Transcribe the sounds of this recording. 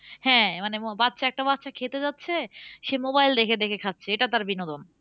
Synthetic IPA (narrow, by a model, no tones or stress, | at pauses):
hɛ̃manebat̪ːɕʰaɛk̚ʈabat̪ːʃʰakʰet̪ed͡ʑatːɕʰeʃemobajld̪ekʰed̪ekʰekʰatːɕʰeeʈat̪aɾbinod̪on